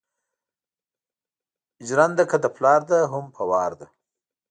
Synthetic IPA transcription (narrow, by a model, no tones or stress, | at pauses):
ɪd͡ʒɾand̪akad̪əplɑɾd̪aɦʊmpʰawɑːɾd̪a